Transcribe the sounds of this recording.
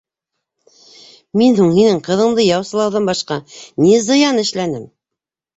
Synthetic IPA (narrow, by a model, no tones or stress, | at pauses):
minhuɴhinɘɴqɤ̆ðɤ̆ɴd̪ɤjɑwsɤ̆lˠɑwðɤmbɑʃqɑnizɤ̆jɑnɘ̆ʃlænɘm